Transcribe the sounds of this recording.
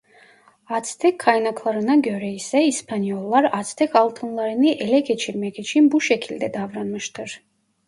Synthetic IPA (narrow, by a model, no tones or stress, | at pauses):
at̪sʰt̪ʰɛkʰːajnakʰlˠaɾinaɡœɾɛisɛispʰaniɔlˠːaɾat̪sʰt̪ʰɛkʰalˠt̪ʰənlˠaɾiniʔɛlɛkʰɛt͡ʃʰiɾmɛkʰɛt͡ʃʰimbuʃɛkʰild̪ɛd̪avɾanməʃt̪ʰɛɾ